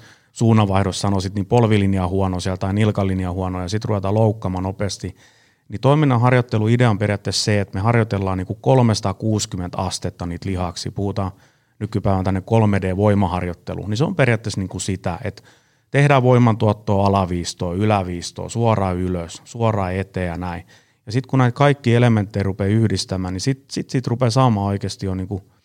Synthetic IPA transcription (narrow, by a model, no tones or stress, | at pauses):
suːnːɑʋɑihdossɑnosit̪niːpolʋiliniɑhuɔnosiælt̪ɑinilkɑlːinjɑhuɑnoːjɑsit̪ruʋet̪ɑːloukːɑmɑːnopeːst̪i | nit̪oiminːɑɦɑrjot̪ːeluideomperjɑt̪ːesseet̪mehɑrjot̪elːɑːniːŋkukolmesɑ̥t̪ɑkuːskyment̪ɑst̪et̪ːɑniːt̪lihɑksḭpuhut̪ɑː | nykypæiʋænt̪ænːekkolmedeːʋoimɑhɑrjot̪ːḛlṵniseo̰mperjɑt̪ːesniːŋkusit̪æḛt̪ | t̪ehdæːʋoimˑɑnt̪uɑt̪ːoːɑlɑʋiːst̪oːylæʋiːst̪o̰ːsuorɑːyløssuorɑːet̪eːjɑnæi | jɑsit̪kunæit̪kɑikːiːelement̪ːeirupeyhdist̪æmæːnisit̪sit̪sit̪rupesɑːmɑːoikeːst̪ijoniːŋku